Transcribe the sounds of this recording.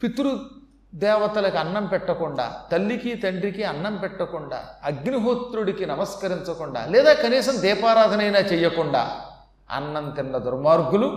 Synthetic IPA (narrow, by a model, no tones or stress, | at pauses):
pit̪uɾu | d̪ɛːʋɐt̪ɐlɐkiɐnːɐmpɛʈːɐkuɳɖa̰ːt̪ɐlːikit̪ɐɳɖɾikiɐnːɐmpɛʈːɐkuɳɖa̰ːɐɡniɦoːt̪ɾuɽikinɐmɐskɐɾiɲt͡ʃɐkuɳɖa̰ːlɛːd̪aːkɐniːsɐmd̪ɛːpaːɾaːd̪ʱɐnɐjnaːt͡ʃɛjːɐkuɳɖa̰ː | ɐ̰nːɐnt̪inːɐd̪uɾmaːɾɡulu